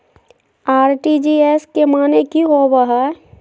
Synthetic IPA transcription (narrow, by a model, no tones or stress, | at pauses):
aːɾʈid͡ʒieskemaːnekiɦoʋəɦɛ